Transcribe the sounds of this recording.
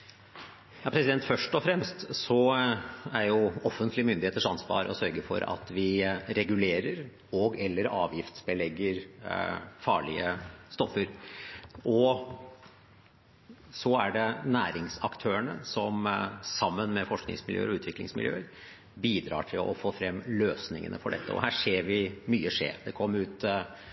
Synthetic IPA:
jɑːpʰɾɛsɪd̪ɛnt̪fœʂʈɔfɾɛmst̪sɔ | æɾjʊɔfənt̪ʰlɪəmʏnd̪ɪheːt̪əʂɑnsʋɑ̰ːɾɔsœɾɡəfɔ̰ɾɑ̰t̪ʋɪɾɛɡʉleːɾəɾ | ɔɡɛlːəɾɑ̰ːʋjɪft̪sbəlɛɡːəɾ | fɑːɭɪəst̪ɔfːəɾ | ʔɔ | sɔæɖɛnæːɾɪŋsɑkt̪ʰøːəɳəsɔmsɑmːənmɛfɔʂknɪ̰ŋsmɪljø̰ːəɾɔʉːt̪ʰʋɪklɪŋsmɪljø̰ːəɾ | biːd̪ɾɑ̰ːʈʰɪlɔ̰foːfɾɛmːløːsnɪŋə̰nə̰fɔɖɛt̪ːəɔ̰hæːʂeːɾʋɪmyːəʂḛːɾd̪ɛkʰɔmːəʉːt̪

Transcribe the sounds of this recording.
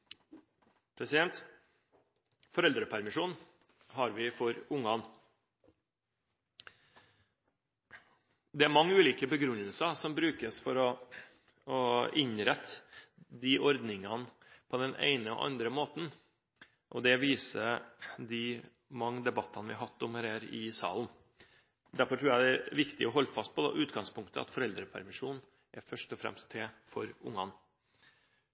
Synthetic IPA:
pʰɾɛsɪd̪ɛnt̪ | fɔɾɛld̪ɾəpʰæɾmɪʂuːn | ɦɑɾʋɪfɔɾʊŋɑn | d̪ɛæɾmɑŋːəʉːliːkəbəɡɾʉnːəlsəsɔmbɾʉːkəsfɔɾɔ | ɔʔɪɲɾɛt̪ʰːd̪iʔɔɾd̪nɪŋɑn | pʰɔd̪ɛnʔḛɪnəɔ̰ʔɑ̰nd̪ɾəmoːt̪n̩ | ʔɔd̪ɛʋiːsəd̪ɪ | mɑŋːd̪ɛbɑt̪ʰːɑnəʋɪɑɦɑt̪ːɔmhæːɾhæːɾɪ̰sɑ̰ːln | d̪æɾfɔʈʰɾuːjæd̪ɛæʋɪkt̪ɪ̰ɔɦɔlːfɑst̪̚pɔd̪ɛ̰ʔʉːt̪ɡɑŋspʰʊŋkt̪ʰəɑ̰t̪fɔɾɛld̪ɾəpʰæ̰ɾmɪʂuːn̩ | ʔæɾfœʂʈɔfɾɛ̰mst̪ʰːeːfɔ̰ɾʊŋːɑn

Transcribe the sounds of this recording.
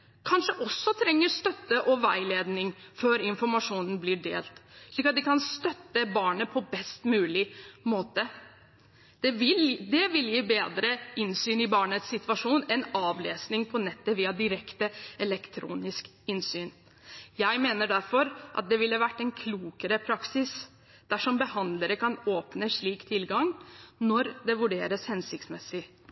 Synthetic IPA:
kʰɑnʂəʔɔsːɔt̪ʰɾɛŋːəst̪œt̪ːəʔɔʋæɪleːd̪nɪŋføːɾɪnfɔɾmɑʂuːnn̩blɪɖḛːlt̪ʂɭiːkɑt̪̚d̪ɪkɑnst̪œt̪ːəbɑːɳəpʰɔbɛst̪mʉːlɪmoːt̪ə | d̪̥ɛɪd̪ɛʋɪljiːbeːd̪ɾəʔɪnsyːnɪbɑːɳət̪sɪt̪ʋɑʂuːnɛnɑːʋleːsnɪŋpʰɔnɛt̪ːəʋiːɑd̪ɪɾɛkt̪əɛlɛkt̪ʰɾṵːnɪsk | ɪnsyːn | jæɪmeːnəɖæɾfɔɾʔɑ̰t̪̚d̪ɛʋɪləʋæʈːɛnkʰluːkəɾəpʰɾɑksɪs | d̪̥æʂɔmbəhɑnd̪ləɾəkɑnoːpnəʂɭiːkt̪ʰɪlɡɑŋnɔɾd̪ɛʋʉɖeːɾəshɛnsɪkt̪smɛsɪ

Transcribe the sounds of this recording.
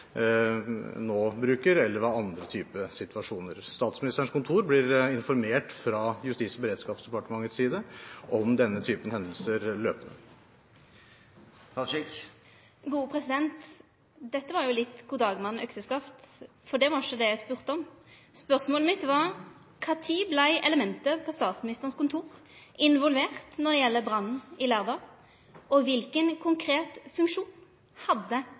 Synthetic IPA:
noːbɾʉːkəɾɛlːəɾʋɑːɑnd̪ɾət̪ʰyːpəsɪt̪ʋɑʂuːnəɾst̪ɑːt̪smɪnɪst̪ɾəɳ̩ʂkʊnt̪ʰuːɾblɪɾɪnfɔɾmeːʈfɾɑjʉst̪iːsɔbəɾeːd̪skɑːpsd̪ɛpɑʈəmɑŋːət̪siːd̪əʔɔmd̪ɛnːət̪ʰyːpənhɛnd̪əl̩səɾløːpənə̰ | ɡuːpʰɾɛsɪd̪ɛnt̪ | d̪ɛt̪ːəʋɑɾjʊlɪt̪ːɡuːd̪ɑːɡmɑnːœ̰ksəskɑft̪ | fɔd̪ɛʋɑɾʃɔd̪ɛjæɪspʉʁt̪əɔmspœʁsmoːləmɪt̪ʋɑʁ | kʰɑːt̪ʰiːblæɪʔɛləmɛnt̪əpʰɔst̪ɑːt̪smɪnɪst̪əʁənskʊnt̪ʰuːɾʔɪnʋɔlʋeːʁt̪nɔd̪ɛjɛlːəbʁɑnn̩ɪlæːʁd̪ɑː | ʔɔʋɪlkənkʰʊŋkʰɾeːt̪fʉŋkʂuːn | hɑd̪ːə

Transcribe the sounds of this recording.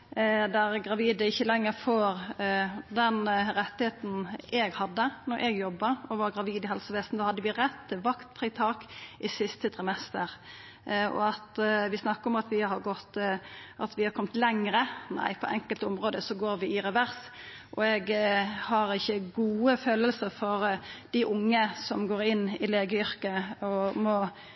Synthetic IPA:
d̪æɾɡɾɑʋiːd̪əɪçːəlɛŋːəɾfoːɾ | d̪ɛnɾɛt̪ːɪheːt̪n̩ɛɡhɑd̪ːənɔɾʔɛɡjɔbːɑɔʋɑɾɡɾɑʋiːd̪ɪɦɛlsəʋeːst̪n̩d̪oːhɑd̪ːəʋɪɾɛt̪ʰːɪlʋɑkt̪fɾɪt̪ʰɑːkʔɪsɪst̪ət̪ʰɾɪmɛst̪əɾ | ɔ̰ɑt̪ʋɪsnɑkːəɾɔmɑt̪ʋɪhɑɾɡɔt̪ʔɑt̪ʋɪhɑɾkɔmt̪lɛŋɾənæ̰ɪpʰɔ̰ʔɛŋkəlt̪ɔmɾoːd̪əsɔɡoːɾʋɪɪɾɛʋæɾs | ʔɔɛɡhɑɾɪçːəɡuːəføːləlsəɾfɔɾd̪̥aʔʊŋːəsɔmɡoːɾɪnːɪleːɡəʏɾkəɔmɔ

